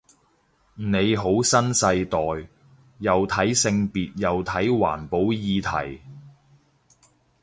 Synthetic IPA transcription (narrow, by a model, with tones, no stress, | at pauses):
ne˨˧jɦo˨˥wsɐ˥nsɐ˧jt̪ɔː˨j | jɐ˨wt̪ʰɐ˨˥jsɪ˧ŋpiː˨t̚jɐ˨wt̪ʰɐ˨˥jwa̰ː˨˩npo˨˥wjiː˨˧t̪ʰɐ̰˨˩j